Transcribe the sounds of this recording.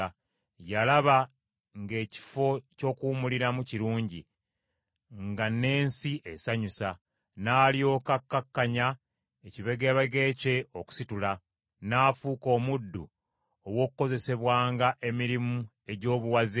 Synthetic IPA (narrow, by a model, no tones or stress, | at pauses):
jalaβa | ŋɡe̞ːci̥fo̞co̞ːkuːmuliɾamuciɾuːɲɟi | ŋɡane̞ːnsiʔe̞saɲusa | naːljo̞ːkakːakːaɲa | eciβeɡeβeɡe̞ːce̞o̞ku̥situla | naːfuːko̞ːmudːṵ | owo̞ːkuko̞ze̞se̞βwaːŋɡaʔe̞miɾimu | e̞ɟo̞ːβuwazi